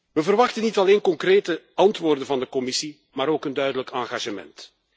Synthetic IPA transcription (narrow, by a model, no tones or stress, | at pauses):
ʋəvərʋɑxtənitɑleːnkɔŋkreːtə | ɑntʋoːrdənvɑndəkɔmɪsi | maːɾoːkəndœɥdələkaːŋɣaːʒəmɛ̰nt